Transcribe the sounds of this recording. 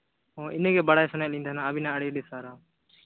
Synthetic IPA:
ɦõːʔɪnːkeːbəɽaːeːsənãlĩːd̪ʱaːnãːəbiːnãːəɽeːɗeːsaːɾaː

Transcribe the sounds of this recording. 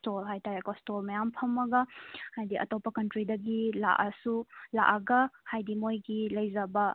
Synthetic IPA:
stolɦajtaɾekɔstolmɐjampʰɐmːɐɡɐhajdiʔɐ̰topɐkɐntɾidɐɡila̰ʔɐsula̰ʔɐɡɐhajdimojɡilɐjzɐbɐ

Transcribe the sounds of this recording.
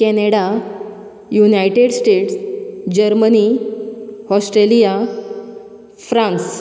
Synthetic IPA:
kɛneɽa | junajʈeɽsʈeʈsd͡ʑəɾməni | hɔsʈɾelija | fɾãns

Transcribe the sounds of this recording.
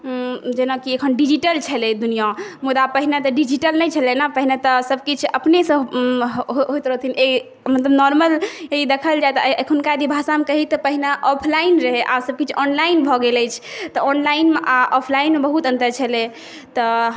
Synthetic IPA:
d͡ʒenakiekʰənɖid͡ʒiʈəlt͡ʃʰəled̪unijamud̪apəɦinat̪ɔɖid͡ʒiʈəlnɛjt͡ʃʰəlenəpəɦinat̪ɔsəb̚kit͡ʃʰəpnesə̃ | ɦoɦojt̪ɾəɦt̪ʰine | mət̪ləbnɔɾməleid̪ekʰəld͡ʒajt̪ɔkʰunkad̪ibʱasamekəɦit̪ɔpəɦinaʔɔpʰlainɾəɦɛʔasəb̚kit͡ʃʰɔnlainbʱɔɡelɛjt͡ʃʰt̪ɔɔnlainmʔaʔɔpʰlainmebəɦut̪ə̃nt̪əɾt͡ʃʰəle | t̪ɔ

